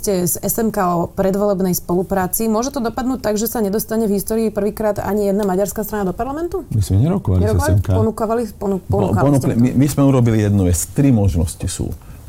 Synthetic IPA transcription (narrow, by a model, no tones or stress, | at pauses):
scɛzɛsɛmkaɔpɾɛd̪ʋɔlɛbnɛjspɔlupɾaːt͡simʊɔʒɛt̪ɔd̪ɔpad̪nuːc̚t̪aɡʒɛsaɲɛd̪ɔst̪aɲɛvɦist̪ɔːɾiipr̩ʋiːkɾaːd̪a̰ɲijɛd̪namaɟaɾskast̪ɾanad̪ɔpaɾlamɛnt̪umismɛɲɛɾɔkɔʋa̰liɲɛɾɔkɔlpɔnukaʋalipɔnupɔnukaɔnuklimimizmɛuɾɔbilijɛd̪nuʋɛt͡st̪ɾimɔʒnɔ̰scisṵː